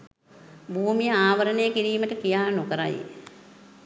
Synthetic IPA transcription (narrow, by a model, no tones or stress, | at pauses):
bʱuːmijəaːʋəɾənejəkiɾiːməʈəkijaːnokəɾa̰j̰